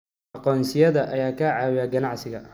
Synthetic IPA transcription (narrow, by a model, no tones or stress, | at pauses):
ɑqɔːnsɪjɐðɐʔɐjaːkʰaʕaːwɪjaːɡɐnɑʕsɪɣɐ̰